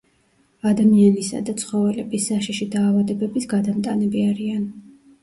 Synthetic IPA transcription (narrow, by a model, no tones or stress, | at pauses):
ad̪amianisa̰d̪at̪sʰχɔvɛlɛbisːaʃiʃid̪aːvad̪ɛbɛbisɡad̪amt̪ʼanɛbiaɾian